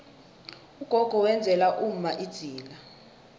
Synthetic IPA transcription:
uɡ̥ʱɔɡ̥ʱɔwɛnd͡zʱɛlaʔum̩maʔid̥z̥ʱiːla

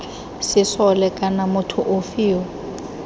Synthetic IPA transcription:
sɪsɔlɛkʼanamʊtʰʊʔʊfiːwɔ

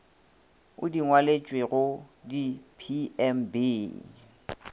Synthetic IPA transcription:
ʊ̰diŋwalet͡ʃʼweɣʊdipʰiɛmbeː

